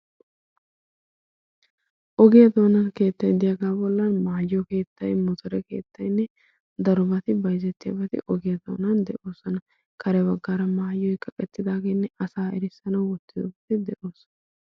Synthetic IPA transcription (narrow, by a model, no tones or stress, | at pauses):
ʔɔɡɪjɐd̪oːnɐnke̞ːt̪ːɐjd̪ɪjɐɡaːbɔlːɐnmaːjːɔke̞ːt̪ʰːɐjmɔt̪ɔɾɛke̞̰ːt̪ʰːɐjnːɛ | d̪ɐɾʊbɐt̪ɪbɐjzɛt̪ːɪjɐ̰bɐt̪ɪ̰ʔɔɡɪjɐd̪o̰ːnɐnd̪ɛʔo̞ːsɔnɐ | kʰɐɾɛbɐɡːaːɾɐmaːjːɔjkʼɐkʼɛt̪ːɪd̪aːɡeːnːɛɐsaːɛɾɪsːɐnɐwɔt̪ːɪd̪ɔbɐt̪ɪd̪ɛʔo̞ːsɔ̥nɐ